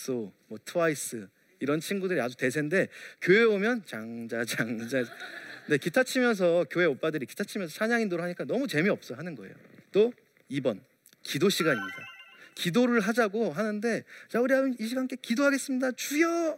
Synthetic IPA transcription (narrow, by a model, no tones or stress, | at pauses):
s͈omwʌtʰɯwais͈ɯ | iɾʌnt͡ɕʰiŋɡudɯɾiad͡ʑute̞s̬ʰe̞nde̞kjoe̞omjʌnt͡ɕaŋd͡ʑad͡ʑaŋd͡ʑane̞kitʰat͡ɕʰimjʌns̬ʰʌkjoe̞op͈adɯɾiki̥tʰat͡ɕʰimjʌns̬ʰʌt͡ɕʰaɲaŋindoɾoɦaɲik͈anʌmut͡ɕe̞miʌp̚s͈ʌɦanɯnɡʌḛjo̰t͈o | ibʌn | kidoɕʰiɡaɲimɲida̰kidoɾɯɭɦad͡ʑaɡoɦanɯnde̞t͡ɕauɾiaiɕ̬ʰiɡank͈e̞kidoɦaɡe̞s͈ɯmɲidat͡ɕujʌ